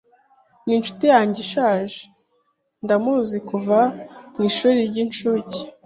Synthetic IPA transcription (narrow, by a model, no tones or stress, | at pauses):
ninʃu̥tijaːɲɟeʃaːʒe | ndamuzikuvamŋiːʃuːɾiɾɟint͡ʃuːci̥